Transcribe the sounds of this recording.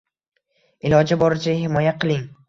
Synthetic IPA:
ɪlɒd͡ʒabɒɾɪd͡ʒahɪmɒjaqʰɨlˠɪŋ

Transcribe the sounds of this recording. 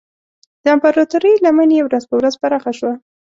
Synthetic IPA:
d̪̥əampaɾat̪uɾəjlaməneewɾazpəwɾazbanaxaʃwa

